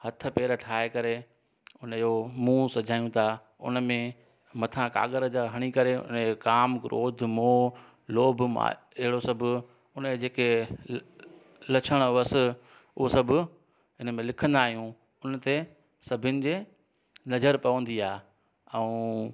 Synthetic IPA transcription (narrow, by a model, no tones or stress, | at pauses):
hɐt̪ʰə̆peːɾəʈʰaːekɐɾe | ʊnjomũːsɐd͡ʑʱaːjũt̪ʰa | ʊ̰nmẽ | mɐt̪ʰãka̰ːɠəɾd͡ʑaɦɐɽ̃ikɐɾeʊ̰nkaːmɡʊɾʔo̰ːd̪ʱmoː | loːbʱmã̰ | ɪɦɪɽosɐbʱʊ | ʊnəd͡ʑeːkʰe | lɐt͡ɕʰəɽ̃ʊʋəsɪ | ʊɦosɐbʱʊ | ɦɪnmẽlɪkʰə̃nd̪aːɦijũ | ʊnət̪ʰe | sɐbʱɪnɪ̆d͡ʑeː | nɐd͡ʑəɾpɐʋə̃nd̪iaː | ɛ̃ũ